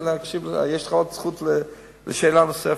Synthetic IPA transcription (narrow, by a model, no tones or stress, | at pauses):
ləakʃibl̰jeʃləχaott͡sχutlə | ləʃeːlanosɛ